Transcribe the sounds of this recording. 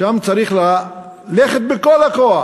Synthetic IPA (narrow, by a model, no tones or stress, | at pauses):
amt͡saɾiχla | leχet̪̚bekolakoa